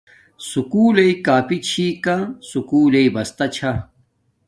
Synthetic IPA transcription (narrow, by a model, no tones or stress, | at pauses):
sukuːleikaːpit͡ɕʰikãsukuːleibɐst̪ɐt͡ɕʰa